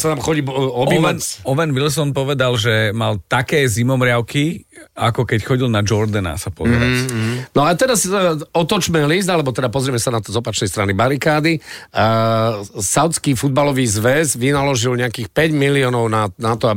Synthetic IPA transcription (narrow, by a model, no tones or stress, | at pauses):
sat̪amxɔɟiːɔbinɔʋɛnʋils̬ɔnpɔʋɛd̪alʒɛmalt̪akɛːzimɔmɾɪaʊkiakɔkɛcxɔɟilnad͡ʒɔɾd̪ɛna̰sapɔ̰zɛɾa̰snɔat̪ɛɾasɔt̪ɔt͡ʃmɛliz̬d̪alɛbɔt̪ɛd̪apɔzɾimɛsanat̪ɔzɔpat͡ʃnɛjst̪ɾanibaɾikaːd̪i | saʊt͡skiːfud̪̚balɔʋiːzʋɛzʋinalɔʒilɲɛakiːxpɛɟmiliɔnɔʊnanat̪ɔa